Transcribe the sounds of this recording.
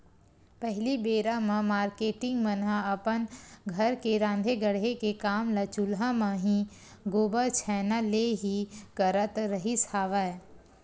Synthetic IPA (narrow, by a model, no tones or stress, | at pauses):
pəɦɪlibeːɾamãmaːɾkeːʈɪ̃ŋɡmənɦaɐpənɡʱəɾkeɾãːnd̪ʱeɡəɽɦekekaːmlat͡ʃʊlɦamãːɦĩ | ɡoːbəɾt͡ʃʰɛːnaleɦikəɾət̪ɾəɦisaːʋa